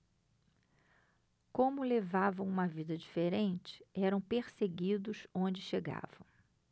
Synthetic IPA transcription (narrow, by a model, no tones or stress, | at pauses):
kõmʊlevavɐ̃w̃ũmɐvid̪ɐd͡ʒifeɾẽnt͡ʃɪ̥ɛɾɐ̃w̃peɾseɡid̪ʊsõnd͡ʒɪʃeɡa̰vɐ̃w̃